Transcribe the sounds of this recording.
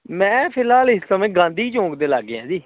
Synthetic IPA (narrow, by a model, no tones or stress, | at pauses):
mɛ̃ːpʰɪlɦaːlɪsəmẽːɡãːnd̪iːt͡ʃõːkd̪eːlaːɡeːã̰ːd͡ʒ̪iː